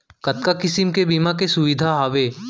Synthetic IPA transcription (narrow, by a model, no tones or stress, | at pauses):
kɐt̪̚kakɪsɪmkebimakesʊʋɪd̪ʱaɦaːʋeː